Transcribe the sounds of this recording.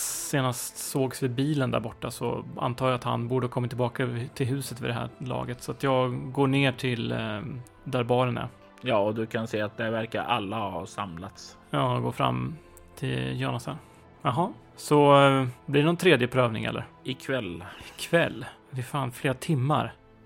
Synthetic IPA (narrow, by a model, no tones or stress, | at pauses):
seːnast̪soːɡsvɪbiːlənd̪æ̰ɾbɔʈːasɔ̰a̰nt̪ʰɑːjaːt̪ha̰nbuːɖəkʰɔmːat̪ʰɪlbɑːkat̪ʰɪlɦʉ̟ːsət̪vɪd̪ɛɦæ̰ːɾlɑ̰ːɡət̪sɔat̪jɑːɡɡoːɳeːʈʰɪl | d̪æɾbɑːɾənæ̰ɾ | jɑːɔd̪ɵkʰanseːat̪̚d̪ævæɾka̰ɾalːahɑsa̰mlat̪s | jɑːɡo̰ːfɾa̰mː | t̪ʰɪljɑːnasan | ɑɦɑ | sɔblɪɖɛnɔnt̪ʰɾeːd̪jəpʰɾøːvnɪ̰ŋɛ̰lːə̰ɾɪkʰvɛlkʰvɛlː | vɪfaːnfleːɾat̪ʰɪmːa̰ɾ